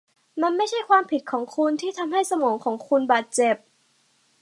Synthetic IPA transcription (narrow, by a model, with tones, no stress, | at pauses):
ma˧nma˥˩jt͡ɕʰa˥˩jkʰwaː˧mpʰi˨˩t̪̚kʰɔː˩˦ŋkʰu˧nt̪ʰiː˥˩t̪ʰa˧mha˥˩jsa˧mɔː˩˦kʰɔː˩˦ŋkʰu˧nbaː˨˩t̪̚t͡ɕe˨˩p̚